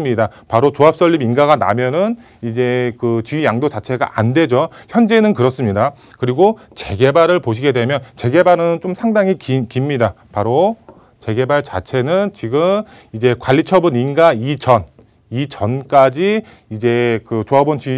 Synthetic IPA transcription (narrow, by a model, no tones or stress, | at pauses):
mɲida | paɾot͡ɕoap̚s͈ʌʎːibinɡaɡana̰mjʌnɯn | id͡ʑe̞kɯt͡ɕyjaŋdot͡ɕat͡ɕʰe̞ɡa̰ʔande̞d͡ʑoçjʌnd͡ʑe̞nɯnkɯɾʌs͈ɯmɲida | kɯɾiɡo | t͡ɕe̞ɡe̞baɾɯɭpoɕʰiɡe̞dwe̞mjʌnt͡ɕe̞ɡe̞baɾɯnt͡ɕomsʰaŋdaŋikikimɲida | paɾo | t͡ɕe̞ɡe̞baɭt͡ɕa̰t͡ɕʰe̞nɯnt͡ɕiɡɯm | id͡ʑe̞kwaʎːit͡ɕʰʌbuninɡait͡ɕʌn | it͡ɕʌnk͈ad͡ʑiː | d͡ʑe̞kɯt͡ɕoabont͡ɕi